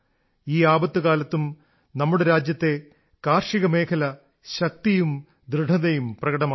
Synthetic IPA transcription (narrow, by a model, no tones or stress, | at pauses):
iːaːbɐt̪ːɨɣaːlɐt̪ːum | nɐmːuɽeɾaːd͡ʑjɐt̪ːe̞ | kaːrʂiɣɐme̞ːkʰɐlɐ | ɕɐk̚t̪ijum | d̪ɾɨɖʱɐðɐjumprɐɣɐɽɐmaː